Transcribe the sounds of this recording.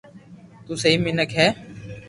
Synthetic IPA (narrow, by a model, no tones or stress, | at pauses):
t̪uːsəɦiːmɪnəkʰɦɛː